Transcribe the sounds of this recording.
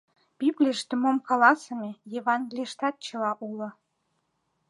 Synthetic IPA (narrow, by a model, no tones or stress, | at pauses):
b̥iblʲiʃt̪ə̆momkɑlɑsəmʲejeβɑnɡʲlʲiʃt̪ɑt̪̚t͡ɕə̆lɑʔulɤ̆